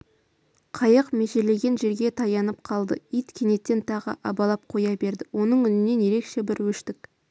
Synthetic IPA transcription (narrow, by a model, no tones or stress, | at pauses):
qʰɑjəqme̞ʃele̞ɡʲe̞nʒe̞ɾɡʲe̞t̪ʰɑjɑnəp̚qʰɑlˠd̪ə̰ijt̪kʲʰene̞t̪ːe̞nt̪ʰɑʁə̰ʔɑbɑlˠɑp̚qʰo̞jɑbe̞ɾd̪ɪwo̞nəɴʏnɪne̞nje̞ɾe̞kʃe̞bɪɾwɵʃt̪ɪk